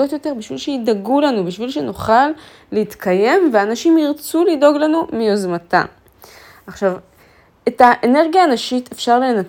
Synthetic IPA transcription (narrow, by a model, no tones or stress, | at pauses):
otjo̞te̞ʁbiʃvilʃeidaɡulanubiʃvilʃenoχalː | eitkʰaje̞mveanaʃimiʁt͡sulido̞ɡlanumiozmata̰ | aχʃav | etaʔene̞ʁɡijaːnaʃitefʃaʁlena